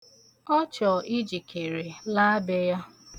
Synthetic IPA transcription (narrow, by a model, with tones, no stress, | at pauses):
ɔ˦t͡ʃɔ˨ʔi˦d͡ʒi˨kʰe˨ɾe˨la˦a˦be˦ja˦